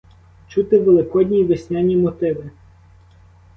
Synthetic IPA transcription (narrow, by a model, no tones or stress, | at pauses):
t͡ʃut̪ɪʋelˠɪkɔdʲnʲiʋɪsʲnʲanʲimɔt̪ɪʋɪ